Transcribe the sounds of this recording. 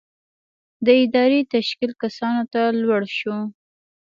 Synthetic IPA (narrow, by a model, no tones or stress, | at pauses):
d̪əɪd̪ɑɾet̪aʃkilkasɑnot̪alwaɽʃu